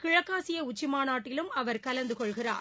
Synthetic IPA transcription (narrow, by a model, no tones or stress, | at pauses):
kɪɻɐkːaːsɪjɐʊt͡ʃːɪmaːnaːʈːɪlɯmɐʋɐɾkɐlɐnd̪ɯkɔɭɣɪra̰ːɾ